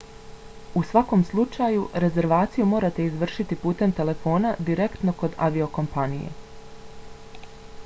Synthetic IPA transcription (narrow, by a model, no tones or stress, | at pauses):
usʋako̞mslˠut͡ʃajuɾe̞ze̞ɾʋaːt̪sijumo̞ːɾat̪e̞izʋr̩ʃit̪ipuːt̪e̞mt̪e̞le̞fo̞ːnad̪iɾe̞kt̪no̞ko̞d̪aʋioko̞mpanijḛ